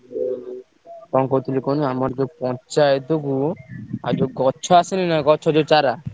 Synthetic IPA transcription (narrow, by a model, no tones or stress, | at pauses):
kɔŋkot̪ulikonoamaɾd͡ʒopɔnt͡ʃajet̪oɡua̰d͡ʒoɡɔɕʰoasʰeninaɡɔt͡ʃʰɔad͡ʒot͡ʃaɾa